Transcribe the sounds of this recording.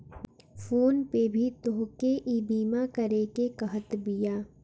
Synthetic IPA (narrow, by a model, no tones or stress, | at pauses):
fʰoːnpebʱit̪oɦkeʔiːbiːmãkɐɾekekɐɦət̪bijaː